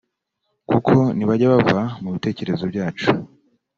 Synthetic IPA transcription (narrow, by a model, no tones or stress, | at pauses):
kukʰo̞niβaɟaβavamuβite̞ːce̞ɾe̞zo̞bɟaːt͡ʃu̥